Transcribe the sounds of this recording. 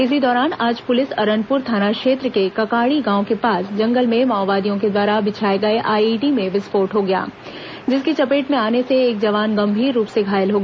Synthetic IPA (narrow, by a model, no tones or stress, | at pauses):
ɪsid̪ɔːɾaːnaːd͡ʒpʊlɪsɐɾə̃npʊɾt̪ʰaːnakʃeːt̪ɾəkekɐkaːɽiɡãːõkepaːsd͡ʒɐ̃ŋɡəlmẽmaːʋaːd̪ijõk̬ed̪ʋaːɾabɪt͡ʃʰaːeɡɐeʔaːiʈimẽʋɪspoːɾʈɦoɡɐja̰ː | d͡ʒɪskit͡ʃɐpeːʈmẽaːneseeːkd͡ʒɐʋaːnɡɐ̃mbʱiːɾːuːpseɡʱaːjəlɦoːɡ